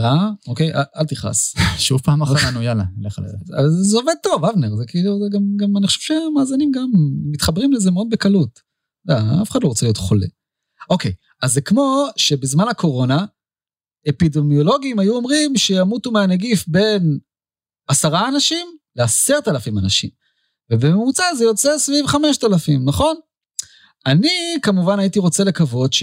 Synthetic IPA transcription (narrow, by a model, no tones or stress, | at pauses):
ʁaoke̞jaʔalt̪iχa̰sʃuvpaːmaaanujala̰nleχa̰l̰azeoved̪̚t̪o̞vavneʁzekiːluzɡamɡamanixχoʃevʃemaːzinimɡamːit̪χabʁimlezemeod̪̚bekalut | daafeχad̪lo̞ʁot͡selijo̞tχo̞lḛ | o̞kej | azːekmo̞ʃe̞bezmanakʰo̞ʁo̞na | epidemijo̞lo̞ɡiimajuo̞mʁimʃejamutumeaneɡifbe̞n | asaʁaːnaʃimleaseʁtalafimanaʃḭm | vebememut͡sazejo̞t͡sesvivχameʃt̪alafimnaχo̞n | anikamuvanaitiʁo̞t͡se̞le̞kavo̞dʃ